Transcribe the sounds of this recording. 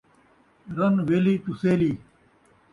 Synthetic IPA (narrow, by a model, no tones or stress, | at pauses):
ɾɐnʋelit̪useːliː